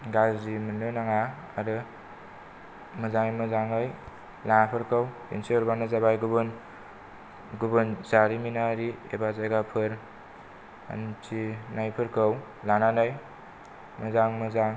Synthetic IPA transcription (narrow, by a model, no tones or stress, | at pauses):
ɡazimɯnɯnaŋa | aɾɯ | mɯzaŋɯjmɯzaŋɯj | laŋapʰɯɾkʰɯw | ḛnsiɔɾbanɯzabajɡubɯn | ɡubɯnzaɾiminaɾiḛbazajɡapʰɯɾ | a̰nt͡ʃʰinajpʰɯɾkʰɯw | lananaj | mɯzaŋmɯzaŋ